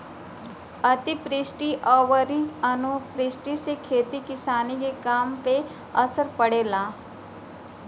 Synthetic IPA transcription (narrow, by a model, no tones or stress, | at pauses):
ɐt̪ipɾɪsʈiʔɔːʋəɾiɐnupɾɪsʈisekʰeːt̪ikɪsaːnikekaːmpe | ɐsəɾpɐɽeːlaː